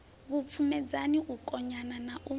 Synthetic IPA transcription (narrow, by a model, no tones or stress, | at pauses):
βup̪fʰumɛd͡zaniukʼɔɲananaʔu